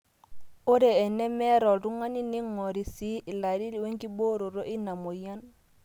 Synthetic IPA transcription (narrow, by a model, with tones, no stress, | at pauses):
o˦ɾe˨ɛ˨nɛ˦mɛ˦ɾɔ˨ɾu˦ŋa˦ni˦nɪ˦ŋɔ˨ɾi˨si˦ʔɪ˨la˨ɾi˦li˨˦we˦ŋki˦bo˦ɾo˨ɾo˦ʔi˦na˨mo˨ja˦n